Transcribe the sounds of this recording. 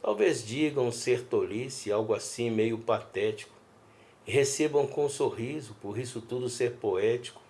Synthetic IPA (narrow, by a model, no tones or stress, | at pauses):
t̪awvezd͡ʒiɡɐ̃w̃seɾt̪olisɪawɡʊasĩmejʊpat̪ɛt͡ʃi̥kʊ̥ | ɪɦesebɐ̃w̃kõsoɦizʊpoɾisʊt̪ud̪ʊseɾpoɛt͡ʃi̥kʊ̥